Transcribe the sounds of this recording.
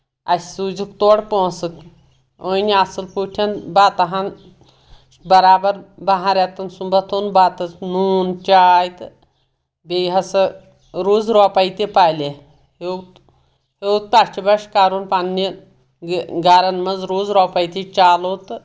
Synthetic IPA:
ɐsʲsuːd͡ʒikt̪oːɽpõːsɨk | onʲiasɨlpuʈʰɐnbaːt̪ɐɦan | bɐɾaːbɐɾbɐɦaɾʲat̪ɐnsumbɐt̪ʰonbaːt̪ɐt͡snuːnt͡ʃaːjt̪ɨ | bejɦɐsɐ | ɾoːzɾoːpajt̪ipaːlʲe | het̪ | hewt̪̚pat͡ʃibɐʃkaːɾunpanni | ɡaːɾɐnmɐzɾoːzɾoːpɐjt̪it͡ʃaːlot̪ɨ

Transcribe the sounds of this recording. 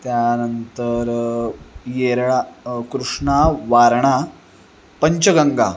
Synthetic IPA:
t̪janənt̪əɾ | jeɾɭakɾuʂɳaʋaɾɳa | pəɲt͡ɕəɡəŋɡa̰

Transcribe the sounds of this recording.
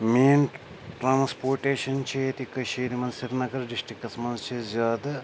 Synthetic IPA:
meːn | ʈɾaːnspoːɾʈeːʂɐnt͡ʃeːjɐt̪ikːɐʃiːɾimɐnsiɾnɐɡɐɾɖiʂʈɾikːɐsɐmɐnzt͡ʃeːsd͡ʒaːd̪ɨ

